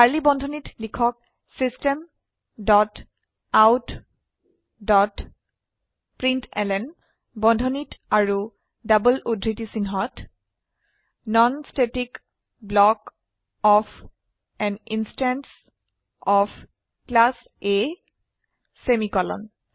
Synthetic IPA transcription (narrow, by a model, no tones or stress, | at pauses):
aɹlibɔndʱɔnitlikʰɔk̚ | sistem | dɔt | awt | dɔt | pɹintʰɛlɛn | bɔndʱɔnitaɹu | dabəludʱɹitisinɦɔt | nɔnstetik | blɔk | ɔfʰ | ɛninstans | ɔpʰ | klas | e | semikɔlɔ̰n